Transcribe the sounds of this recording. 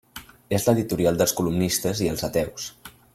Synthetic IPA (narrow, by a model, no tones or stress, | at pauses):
ezləðit̪uɾialˠd̪əlˠskulumnist̪əziəlˠzət̪ɛws